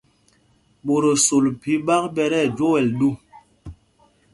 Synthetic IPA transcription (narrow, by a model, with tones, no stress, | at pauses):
ɓo˨ɾo˨so˨lpi˨˦ɓa˦k̚ɓɛ˦ɾɛ˦˨d͡ʒo˦wɛ˨lɗu˦˨